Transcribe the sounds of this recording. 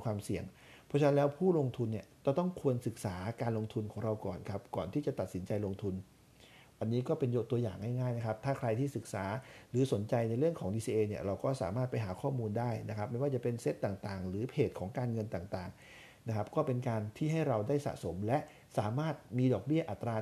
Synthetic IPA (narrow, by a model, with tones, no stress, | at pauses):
kʰwaː˧msi˨˩əŋ | pʰɔ˦˥t͡ɕʰa˧na˦˥lɛː˦˥wpʰuː˥˩lo˧ŋt̪ʰu˧nːi˥˩ət͡ɕɔ˥˩t̪ɔ˥˩ŋkʰu˧ənsɯ˨˩k̚saː˩˦kaː˧nlo˧ŋt̪ʰu˧nkʰɔː˩˦ŋɾa˧wkɔ̰ː˨˩nkʰa˦˥p̚kɔː˨˩nt̪ʰiː˥˩t͡ɕa˨˩t̪a˨˩t̪̚si˩˦nt͡ɕa˧jlo˧ŋt̪ʰu˧n | ʔa˧nːiː˦˥kɔː˥˩pe˧njo˦˥t̪u˧əjaː˨˩ŋːa˥˩jŋaː˥˩jna˦˥kʰa˦˥p̚t̪ʰaː˥˩kʰɾa˧jt̪ʰiː˥˩sɯ˨˩k̚saː˩˦ɾɯː˩˦so˩˦nt͡ɕa˧jna˧jɾɯ˥˩əŋkʰɔː˩˦ŋdiː˧siː˧ʔeː˧ni˥˩ɐɾa˧wkɔː˥˩sa̰ː˩˦maː˥˩t̪̚pa˧jɦaː˩˦kʰɔː˥˩muː˧ndaː˥˩jna˦˥kʰa˦˥p̚ma˧˥˩waː˥˩t͡ɕa˨˩pe˧nse˦˥t̪ːaː˨˩ŋt̪aː˨˩ŋɾɯː˩˦pʰeː˨˩t̪̚kʰɔː˩˦ŋkaː˧nŋɤ˧nt̪aː˨˩ŋt̪aː˨˩ŋ | na˦˥kʰa˦˥p̚kɔː˥˩pe˧nkaː˧nt̪ʰiː˥˩ɦa˥˩jɾa˧wdaː˥˩jsa̰˨˩ʔso˩˦mlɛ˦˥ʔ | saː˨˩˦maː˥˩t̪̚miː˧dɔː˨˩k̚bi˥˩ɐʔa˨˩t̪ːɾaː˧